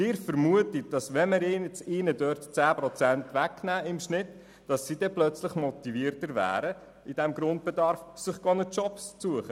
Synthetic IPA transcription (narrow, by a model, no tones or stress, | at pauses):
ɪːɾfəɾmuətik̚d̥ɑsʋɛməɾɪːnɛt͡siːnədœːɾtt͡sæːpɾɔt͡sæntʋæknæːɪmʃnɪt | d̥ɑsːid̥ɛplœt͡slɪχmɔt̪iviəɾtəɾvæ̰ːɾə | ɪd̥ɛmɡɾʊnt̚b̥ɛdɑɾfsɪχɡ̥ɔnət͡ʃɔpst͡suəχə